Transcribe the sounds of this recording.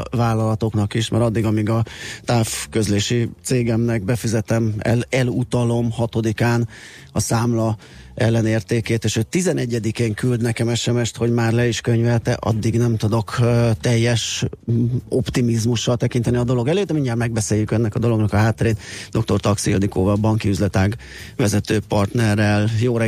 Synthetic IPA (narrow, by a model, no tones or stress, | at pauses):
vaːlːɒlɒt̪o̞knɒkiʃmɛ̰ɾɒd̪ːiɡɒmiɡɒt̪aːfkø̞zleːʃit̪seːɡɛmnɛɡ̚bɛfizɛt̪ɛmɛ̰lɛlut̪ɒlo̞mhɒt̪o̞d̪ikaːn | ɒsaːmlɒ | ɛlːɛneːrt̪eːkeːt̪eːʃøːt̪ːizɛnɛɟːɛd̪ikeːŋkyld̪nɛkɛmɛʃɛmɛʃt̪ho̞ɟmaːrlɛiʃkøɲvɛt̪ɛʔɒ̰d̪ːiɡnɛmt̪ud̪o̞kt̪ɛjːɛʃ | o̞pt̪imizmuʃːɒlt̪ɛkint̪ɛniɒd̪o̞lo̞ɡɛløːt̪ːɛmiɲːaːrmɛɡ̚bɛseːjːykɛnːɛkɒd̪o̞lo̞ɡnɒkɒɦaːt̪ːɛɾeːt̪d̪o̞k̚t̪o̞rt̪ɒksio̰nikoːvɒbɒŋkiyzlɛt̪aːɡ | ʋvɛzɛt̪øːpɒrt̪nɛrːɛljoːɾɛ